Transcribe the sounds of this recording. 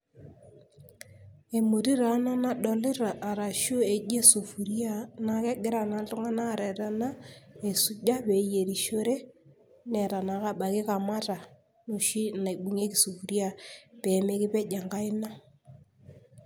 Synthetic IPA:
e˨mo˨ɾi˦ɾa˨˦na˦na˦ɗɔ˨lɪ˦ɾa˨ʔːɾa˨ʃo˦e˨d͡ʒe˦so˨fu˨ɾja˦na˦kɛ˦ɡɪ˦ɾa˨na˨tʊ˦ŋa˦na˦˨ɾɛ˨ɾa˦na˦e˨su˨d͡ʒa˦pe˨je˨ɾi˨ʃo˦ɾe˦ | nɛ˨ɾa˨na˨˦ka˨ɓa˨ke˦ka˨ma˦ta˨ | no˨ʃi˦na˨i˨ɓu˨ŋe˦ki˨su˨fu˨ɾja˦˨pe˨me˦kɪ˦pɛ˦d͡ʒa˨ŋɡa˦ɪ˦na˦

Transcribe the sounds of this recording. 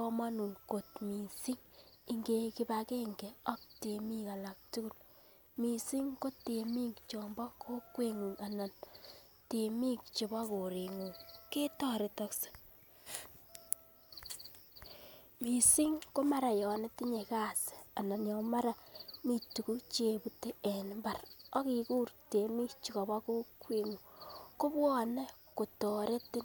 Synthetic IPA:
kɔ˦ma˦nu˨ŋko˨tmi˨si˦ŋi˦ŋɡe˦ki˦pa˦ke˦ŋɡe˨ɔ˦k̚te˨mi˦ka˨la˨k̚tu˦ku˦˨l | mi˨si˦ŋko˦te˨mi˦kt͡ʃɔ˨mbɔ˦kʰo˦kwe˦ŋu˨ŋa˨na˨n | te˨mi˦k̚t͡ʃe˨bɔ˦ko˨ɾi˨ŋu˨ŋke˦tɔ˦ɾɪ˨tɔ˦kse̥˦ | mi˨si˦ŋko˦ma˦ɾa˨jɔ˨ne˦ti˦ɲe˨ka˦se̥˨a˨na˨njɔ˨ma˦ɾa˨mi˦˨tu˨ku˦t͡ʃe˨bu˦te˦e˨nmba˨rɔ˦ki˨kuː˦ɾte˨mi˦kt͡ʃi˨kɔ˨ba˦ko˦kwe˦˨ŋu˨ko˦pwɔ˦ne˦ | ko˨tɔ˨ɾe˦tɪ˦n

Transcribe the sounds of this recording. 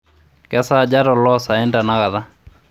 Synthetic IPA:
kɛ˦sa˦d͡ʒa˦ɾɔ˨lɔ˦sa˨ɛ˦nda˨na˦ɣa˨ða˦

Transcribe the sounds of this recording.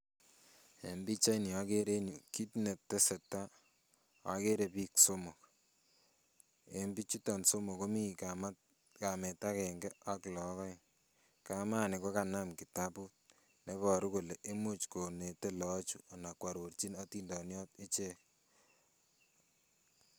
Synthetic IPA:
e˨mbi˦t͡ʃa˦ini˨a˦ke˦ɾe˦nu˨ki˦tne˨tːe˦se˨tːa˦ | a̰˨˦ke˦ɾe˨pi˦kso˦mo˨k | e˨mbi˦t͡ʃi˦tɔ˨nso˦mo˨ko˦mi˦km | kamɛ˨ta˦kɛ˨ŋɡe˦a˦klɔ˨˦kɔ˦j | ka˦maː˦ne˨ko˦ka˨na˦mki˨ta˦pu˦t̚ | ne˦pɔ˨ɾu˦ko˨le˨ʔe˦mu˦t͡ʃko˨ne˨te˦lɔ˦t͡ʃu˦a˨na˨kwa˨ɾo˨ɾt͡ʃi˦na˦tindɔ˨njɔ˦te˦t͡ʃe˦k

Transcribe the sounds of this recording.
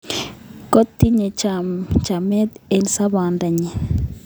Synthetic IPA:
ko˦t̪ːi˦ɲe˨t͡ʃamt͡ʃa˨mɛ˦d̪e˨lsa˦ba˨nda˨ɲe˨

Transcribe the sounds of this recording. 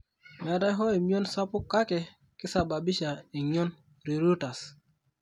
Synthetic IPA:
mɛ˨a˨da˦jɦɔ˦e˨mi˦o˦nsa˦pʊ˦kːa˦kɛ˨ | kɪ˦sa˨ba˨bi˦ʃa˨i˨ɲ˦o˦n | ɾi˨ɾo˦ta˨s

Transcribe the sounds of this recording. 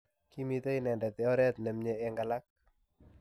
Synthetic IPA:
ki˦mit̪e˦inɛ˨ndɛ˨t̪ɛɔ˦ɾɛ˦t̪̚nɛ˨mɲɛɛŋɡa˨la˦k̚

